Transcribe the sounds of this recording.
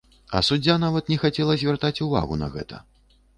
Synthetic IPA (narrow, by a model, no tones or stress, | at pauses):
ɐ̰sud͡zʲːan̪avɐt̪nʲɛxat͡sʲɛlˠɐzʲvʲɛrt̪at͡sʲuva̰ɣunɐ̰ɣɛ̰t̪ʰɐ̰